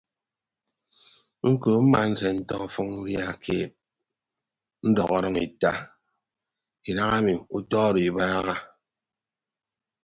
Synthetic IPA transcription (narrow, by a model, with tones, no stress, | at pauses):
ŋ̩˦koː˨m̩˦ma˨n̩˦se˨n̩˦tɔ˦˨fɔ˦ŋn̩˦ɾja˦˨kʰeː˦p̚ | n̩˦dɔ˨ɣɔ˦ɾɔ˦ŋi˨ta˦ | i˨ɾa˦ŋa˦mi˨u˦tɔː˦ɾi˨i˨baː˦ɣa˦